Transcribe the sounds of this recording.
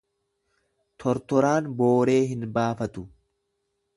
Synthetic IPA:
t̪ʰɔɾt̪ɔɾaːnbo̞ːɾe̞ːɦɪnbaːfɐt̪ʊ

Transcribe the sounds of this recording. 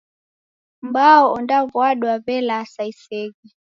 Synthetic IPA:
mbaɔʔɔndavwaɗwabɛlasaisɛɡi

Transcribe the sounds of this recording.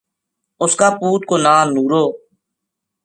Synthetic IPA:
ʊskaːpuːt̪̚koːnaːnuːɾoː

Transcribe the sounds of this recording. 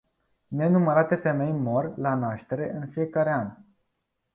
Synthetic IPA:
ne̞numəɾat̪e̞fe̞me̞jmo̞rʲlanaʃt̪e̞ɾe̞ɨnfije̞kaɾe̞anʲ

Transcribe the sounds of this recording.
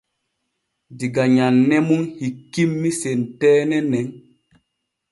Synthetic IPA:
diɡaɲanːɛmuŋhikːimːisentɛːnɛnɛŋ

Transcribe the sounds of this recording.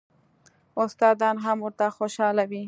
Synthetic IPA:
ʊst̪ɑd̪ɑnɦamwʊɾt̪axoʃɑlawi

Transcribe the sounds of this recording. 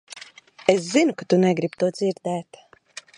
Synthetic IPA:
eszinukat̪unɛɡɾib̚t̪uɔd̪ziɾd̪ɛːt̪

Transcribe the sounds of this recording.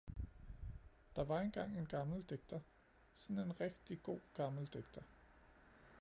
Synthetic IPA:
d̥ɑ̈ʋɑ̈e̝nɡ̥ɑ̈ŋ̰e̝nɡ̥ɑ̈ml̩d̥eɡ̥̚d̥ɐ | sɒ̽ne̝nʁɛɡ̥d̥iɡ̥o̝̰ːɡ̥ɑ̈ml̩d̥eɡ̥̚d̥ɐ

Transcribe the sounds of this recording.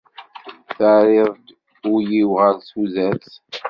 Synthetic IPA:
θaɾɪðd̪ | ʊɾjiwʁəɾsuzæt͡s

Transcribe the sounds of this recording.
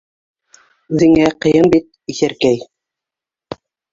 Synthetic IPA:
ʉðɘ̆ŋæqɤ̆jɤmbit̪̚iθæɾkæj

